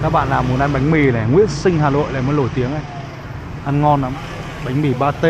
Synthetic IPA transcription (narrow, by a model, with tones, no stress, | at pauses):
kaː˦˥k̚ɓa̰ː˧˨nlaː˨˩mːu˨˩nʔa˧ŋɓa˨˦jŋ̟mi˨˩nɛ˨˩ŋwḭ˧˥ənsï˧ŋ̟haː˨˩nlo̰˧˨jla̰ː˧˨jmə˨˦nlo˧˩jt̪i˨˦əŋʔa˧˩j | ʔa˧nŋɔ˧nla˨˦m | ɓa˨˦jŋ̟mi˨˧˩ɓaː˧t̪e˧